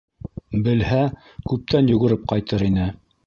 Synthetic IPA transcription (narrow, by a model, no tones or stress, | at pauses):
bɘ̆lhæ | kʉp̚t̪ænjɵ̆ɡɵ̆ɾɘp̚qɑjt̪ɤɾin̪ɘ